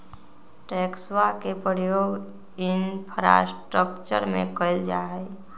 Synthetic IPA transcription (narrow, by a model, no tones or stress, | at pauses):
ʈeːkswakepɾəjoːɡ | ɪnpʰəɾa̰sʈɾəkt͡ʃə̰ɾmḛ̃kəɪld͡ʒa̰ːɦɛ